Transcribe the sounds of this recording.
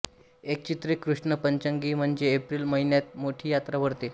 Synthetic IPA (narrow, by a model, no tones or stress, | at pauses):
ek̚t͡ɕit̪ɾekːɾuʂɳəpəɲt͡ɕəŋɡiːm̤əɳd͡zeːpɾiːlməɦinjat̪̚moʈʰiːjat̪ɾaʋəɾt̪e